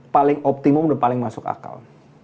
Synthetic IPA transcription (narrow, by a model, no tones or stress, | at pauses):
palɪŋɔp̚t̪imʊmdanpalɪŋmasʊka̰ka̰l